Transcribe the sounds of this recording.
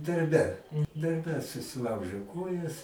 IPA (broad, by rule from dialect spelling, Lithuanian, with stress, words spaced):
dɐrʲˈbʲɛ dɐrʲˈbʲɛ sʊsʲɪˈlˠɐʊʒʲeː ˈkoːjɛs